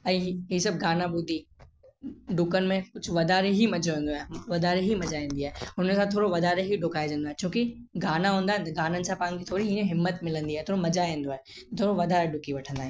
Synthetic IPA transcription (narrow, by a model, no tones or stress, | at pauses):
ɐiɦɦisɐb̚ɡaːnabʊd̪ʱːi | ɖʊkənmẽkʊt͡ʃʰʋɐd̪aːɾeɦimɐd͡ʒoɦẽːnd̪oɦɛːʋɐd̪aːɾeɦimɐd͡ʒaẽːnd̪iɦaːʊnəmesat̪ʰːoːɾoʋɐd̪aːɾeɦiɖʊkaːjd͡ʒə̃ːnd̪aɦɛt͡ʃõːki | ɡaːnaɦõːnd̪aɦɛɡaːnənɪsapãːŋɡit̪ʰoːɾiɦĩnẽɦɪmːət̪mɪlə̃nd̪iɦɛːt̪ʰoːɾomɐd͡ʒaẽːnd̪oɦɛː | t̪t̪ʰoːɾoʋɐd̪ʱaːɾeɖʊkiʋɐʈʰə̃nd̪aɦɛː